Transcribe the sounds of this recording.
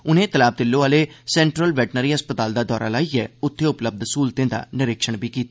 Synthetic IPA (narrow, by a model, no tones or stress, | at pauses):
ʊnẽːt̪əlaːb̚d̪ɪlːoːaːleːsɛ̃ːɳʈɾəlʋɛːʈnəɾiːəspət̪aːld̪aːd̪ɔːɾa̰ːlaːiːɛːʊt̪ʰːeːʊpləb̚d̪suːlt̪ẽːd̪a̰ːnɪɾɪkʃəɳbiːkiːt̪a